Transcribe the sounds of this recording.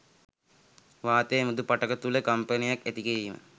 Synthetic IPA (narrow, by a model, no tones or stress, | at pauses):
ʋaːt̪ejmud̪upaʈəkət̪uləkampənijaket̪ikeiːmə̰